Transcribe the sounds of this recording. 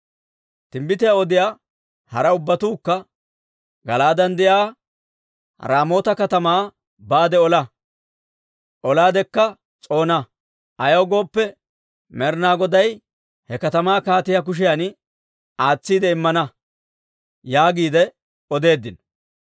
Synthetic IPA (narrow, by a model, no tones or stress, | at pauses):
t̪ɪmbɪt̪ɪjaɔd̪ɪjaː | hɐɾɐʊbːɐt̪uːkːɐ | ɡɐlaːd̪ɐnd̪ɪjaː | ɾaːmo̞ːt̪ɐkɐt̪ɐmaː | baːd̪ɛɔlɐ | ʔɔlaːd̪ɛkːɐ | t͡sʼo̞ːnɐ | ʔɐjɐwɡo̞ːpːɛ | mɛɾnaːɡɔd̪ɐj | hɛkɐt̪ɐmaːkaːt̪ɪjak̬ʊʃ̬ɪjan | aːt͡sːiːd̪ɛɪmːɐnɐ | jaːɡiːd̪ɛ | ɔd̪e̞ːd̪ːɪn